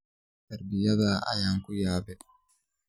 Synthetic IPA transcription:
tɐɾbɪjaɡaːʔa̰jaŋkujaːbɛ

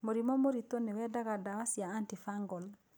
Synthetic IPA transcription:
moɾimɔmoɾit̪onewɛdaɣadawasjaantifaŋɡɔl

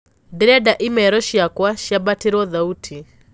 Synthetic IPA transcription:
diɾɛdaʔimɛɾɔʃiakwaʃjabatʰiɾɔðautʰi

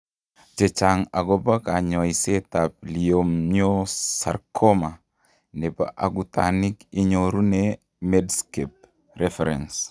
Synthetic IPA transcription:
d͡ʒet͡ʃaŋaɡobakaɲoisetap̚liomosa̰ɾkʰoma | neba̰ʔaɡuta̰nikiɲoɾune | medskep̚ | refeɾḛns

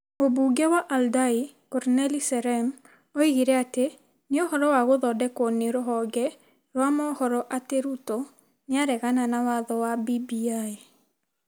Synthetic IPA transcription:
obuɡɛwaʔaldai | kɔɾnɛlisɛɾɛm | ɔiɣiɾɛate | neɔhɔɾɔwaɣoðɔdɛkoneɾoɦɔɡɛ | ɾwamɔhɔɾɔʔateɾutɔ | neaɾɛɣananawaðɔwabibiae

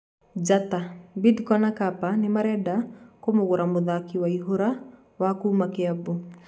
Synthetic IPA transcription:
d͡ʒatabidkɔnakapanɪmaɾɛdakomoɣoɾamoðakiwaiɦoɾa | wakumakeabu

